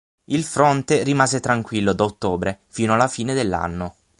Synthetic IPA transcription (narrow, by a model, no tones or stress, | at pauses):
ilfɾɔnt̪erimaːzet̪ɾaŋkwilːod̪aot̪ːoːbɾefiːnoalːafiːned̪elːa̰nːo